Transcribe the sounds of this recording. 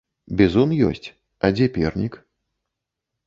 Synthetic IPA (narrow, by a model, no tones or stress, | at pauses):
bʲɛzɔnjɔ̰sʲt͡sʲ | ɐd͡zʲɛpʲɛrnʲik